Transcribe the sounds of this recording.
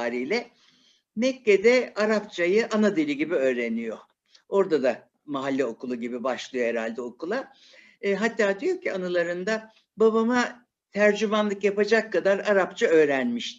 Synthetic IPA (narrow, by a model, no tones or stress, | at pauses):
aːɾijlʲɛ | mɛcːed̪ɛaɾapt͡ʃʰajɯʔanad̪ilʲiɟibiø̞ːɾenijo̞ | o̞ɾd̪ad̪a | maɦalʲːɛo̞kulˠuɟibibaʃlˠɯjo̞heɾalʲd̪ɛo̞kulˠa | ɦat̪ːaːd̪ijo̞cʰianɯlˠaɾɯnd̪a | baβama | t̪ʰæɾd͡ʒymanlˠɯkjapad͡ʒakʰːad̪aɾaɾapt͡ʃʰaø̞ːɾænmiʃt̪